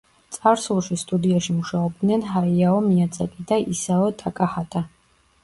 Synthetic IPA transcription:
t̪sʼaɾsulˠʃist̪ʼud̪iaʃimuʃaɔb̚d̪nɛnɦaiaɔmiad̪zakʼid̪aisaɔt̪ʼakʼahat̪ʼa

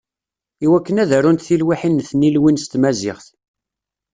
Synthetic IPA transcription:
iwækːənæðærunt̪θilwiħinːθnilwinst̪mæzɪ̰χθ

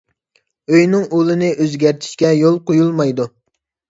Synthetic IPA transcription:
øjnɪŋolˠɨnɪʔøzɡʲæɾt̪ʰi̥ʃkʲɛjolˠqojulˠmɑjd̪u

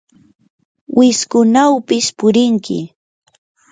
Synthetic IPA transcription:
wʔɪskʊnawpɪspʊɾɪŋkɪ̰

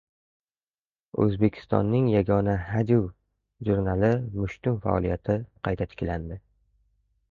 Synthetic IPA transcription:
ɵ̰zbe̞kʲʰɪ̥st̪ɒ̰nːɪŋjaɡʲɒnahad͡ʒuw | ʒuɾnalɪmʊʃt̪ʰʊmfa̰ɒ̰lˠijat̪ʰɪqʰɑjt̪ʰat̪ʰɪ̥kʲland̪ɪ

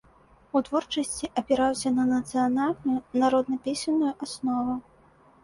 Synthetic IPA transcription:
ut̪vɔrt͡ʂɐsʲt͡sʲiʔɐpʲɛɾawsʲɐnɐnɐt̪sɨjanalʲnujunaɾɔd̪nɐpʲesʲɐnːujuʔasnɔvu

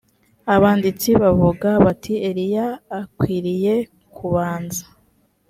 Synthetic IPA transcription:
aβaːndit͡siβavuɡaβatʰie̞ɾijaːkwiːɾije̞ | kʰuβaːnzḁ

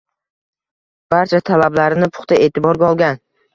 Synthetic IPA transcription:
b̥aɾt͡ʃʰat̪ʰalablaɾɪnɪpʰʊ̥χt̪ae̞ːt̪ʰɪbɒɾɡʲaɒlˠɡʲan

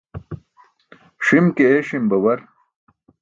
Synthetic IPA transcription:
ʂimkeʂimbɐwɐɾ

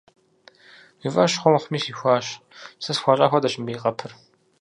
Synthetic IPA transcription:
ivɐʃχʷɔmχʷmiːsiːxʷɑːɕ | sɐsxʷɑːɕʼa̰ːxʷɔdɐɕɪmbiːqɐpʰɨr

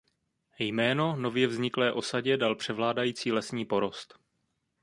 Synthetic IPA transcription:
jmɛːno̞no̞vjɛvzɲɪklɛːʔo̞saɟɛdalpr̝̥ɛvlaːdajiːt͡siːlɛsɲiːpo̞ɾo̞st̪

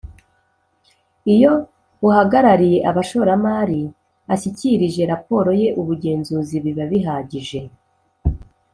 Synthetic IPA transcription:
ijo̞ | uhaɡaɾaɾije̞ʔaβaʃo̞ɾamaːɾi | aɕiciɾiʒe̞ɾapo̞ːɾo̞je̞ʔuβuɟe̞ːnzuːziβiβaβiɦaːɟiʒe̞

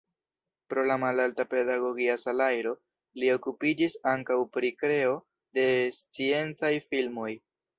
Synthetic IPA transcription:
pɾo̞lamalaltape̞daɡo̞ɡiasalajɾo̞ | lio̞kupid͡ʒisaŋkawpɾikɾe̞o̞ | de̞st͡sie̞nt͡sajfilmo̞j

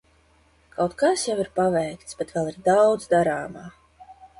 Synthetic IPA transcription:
kʰawt̪kasjaviɾpavɛjkt̪sb̥ɛt̪vɛlˠiɾd̪awd̪zd̪aɾaːmaː

